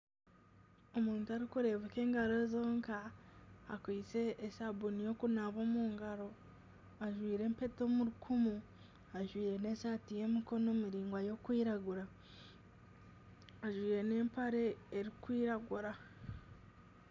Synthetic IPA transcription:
o̞muːntuaɾikuɾe̞ːβeke̞ːŋɡaɾo̞zo̞ːŋkaː | kwiːt͡se̞ʔːsabunijo̞ːkunaβo̞ːmuːŋɡaɾo̞ | aʒwiːɾe̞ːmpe̞to̞ːmuɾukʰumu | aʒwiːɾe̞ne̞ːsaːtije̞miko̞no̞miɾiːŋɡwajo̞kwiːɾaɡuɾa | aʒwiːɾe̞ne̞ːmpaɾe̞ːɾikwiːɾaɡuɾa

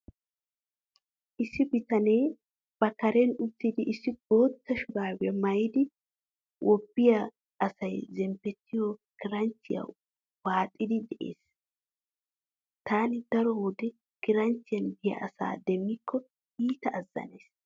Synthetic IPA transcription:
ʔɪsːɪbɪt̪ɐneː | b̥ɐkɐɾɛnʊt̪ːɪd̪ɪʔɪsːɪɡo̞ːt̪ːɐʃʊɡaːwɛmɐjɪd̪ɪ | wʔɔbːɪjɐ | ɐsɐjzɛmpːɛt̪ːɪjɔkɪɾɐnt͡sːɪjɐ̰ | waːt̪ʼːɪd̪ɪd̪ɛʔḛːs | t̪aːnɪd̪ɐɾɔwɔd̪ɛ | kɪɾɐnt͡sːɪjɐnbɪjɐ̰ʔɐsa̰ːd̪ɛmːɪkːɔ | iːt̪ɐʔːzːɐ̰neːs

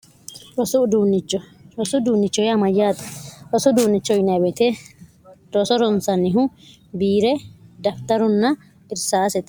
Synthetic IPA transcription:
ɾɔsʊd̪uːnːɪt͡ʃːɔɾɔsʊd̪uːnːɪt͡ʃːɔjɐmɐjːaːt̪ɐ̥ɾɔsʊd̪uːnːɪt͡ʃːɔjnɐbɛt̪ɛ | ɾɔsɔɾɔnsɐnɪɦʊ | biːɾɛd̪ɐft̪ɐɾɔnːɐ | ɪɾsaːsɛt̪

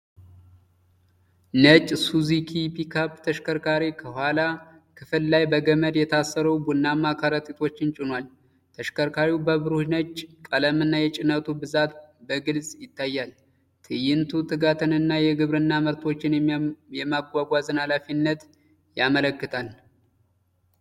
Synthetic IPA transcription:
nət͡ʃʼsuzikʰipikʰapt̪ʰəʃkʰəɾkaɾikʰəhʷala | kʰɨfɨllajbəɡəməd̪jɛt̪ʰasːəɾəwbunːamːakʰaɾət̪ʼit̪ʰo̞t͡ʃːɪnt͡ʃʼɪnwal | t̪ʰəʃkəɾkʰaɾibəβɨɾuhnət͡ʃʼːkʼələmɨnːajɛt͡ʃʼɪnət̪ʰubɨzat̪̚bəɡɨlsʼjɪt̪ːajːal | t̪ʰɨjɪnt̪ʰut̪ʰɨɡat̪ʰənɨnːajɛɡɨβɾɨnːaməɾt̪ʰo̞t͡ʃːɪnjɛmaɡʷaɡʷazɨnhalafinːət̪ | jamələkːɨt̪ʰal

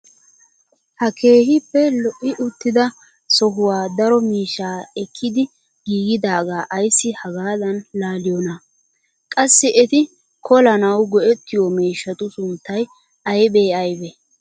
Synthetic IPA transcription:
hɐkʰe̞ːhɪpːɛlɔʔːɪʔʊt̪ːɪd̪ɐ | sɔɦʊwaːd̪ɐɾɔmiːʃːaːɛkʰːɪd̪ɪ | ɡ̥iːɡɪd̪aːɡaːʔɐjsːɪhɐɡaːd̪ɐnlaːlɪjɔnɐ | kʼɐsːɪʔɛt̪ɪ | kʰɔlɐnɐwɡɔʔɛt̪ːɪjɔmeːʃːɐt̪ʊsʊnt̪ːɐj | ɐjbeːɐjbɛ

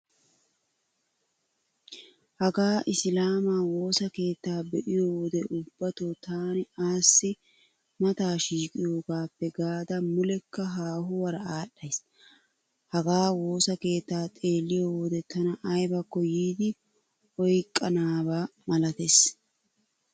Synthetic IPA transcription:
hɐɡaːʔɪslaːmaːwo̞ːsɐke̞ːt̪ːaːbɛʔɪjoːwɔd̪ɛʔʊb̥ːɐt̪oːt̪aːnɪaːsːɪ | mɐt̪aːʃiːkʼɪjo̞ːɡaːpːɛɡaːd̪ɐmʊlɛkːɐɦaːɦʊwɐɾɐaːɗːɐjs | hɐɡaːwo̞ːsɐke̞ːt̪ːaːt̪ʼe̞ːlːɪjoːwɔd̪ɛt̪ɐnɐʔɐjbɐkːɔjiːd̪ɪ | ɔjkʼːɐnaːbaːmɐlɐt̪es

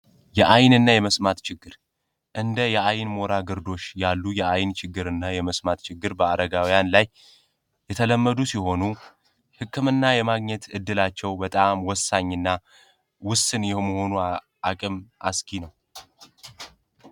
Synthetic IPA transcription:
jɛʔajnɨnːajɛməsmat̪t͡ʃɪɡːɨɾ | ʔɨnd̪əjɛajnmo̞ɾaɡɨɾd̪o̞ʃjalːujɛʔajnt͡ʃʰɪɡːɨɾɨnːajɛməsmat̪t͡ʃɪɡːɨɾbəad̪əɡawijanlaj | jɛt̪ʰələmːəd̪usiho̞nu | hɨkːɨmɨnːajɛmaɡɲɛt̪ɨd̪ːɨlat͡ʃːɛwbət̪ʼamwɔsːaɲːɨnːa | wʊsɨnjɛhməho̞nu | akʼɨmʔa̰skʰinəw

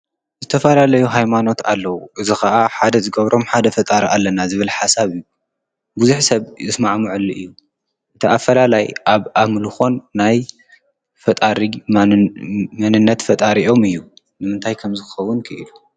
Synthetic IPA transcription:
zɨt̪ʰɐfɐlalɐjuɦajmano̞t̪alːɐwuʔɨzixɐʔaħad̪ɐzɨɡɐβɾo̞mħad̪ɐfɐt̪ʼaɾalːɐnazɨβɨlħasaβɨjːu | buzuħsɐβɨsmaʕmɨʕɨlːiʔɨjːu | ʔɨt̪ʰiafːɐlalajʔaβaβmɨlɨxo̞nːaj | fɐt̪ʼaɾi | mɐnɨnːɐt̪fɐt̪ʼaɾiʔo̞mɨjːu | nɨmɨnt̪ʰajkʰɐmzɨkɨxɐwːʊnkʰɨʔɨlu

